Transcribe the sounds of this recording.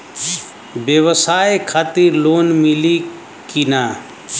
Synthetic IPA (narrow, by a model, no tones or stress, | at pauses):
bəwəsajekʰaːt̪iɾloːnmili | kinaː